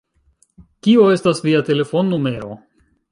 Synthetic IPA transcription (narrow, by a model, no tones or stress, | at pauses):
kio̞e̞stasviate̞le̞fo̞nːume̞ɾo̞̰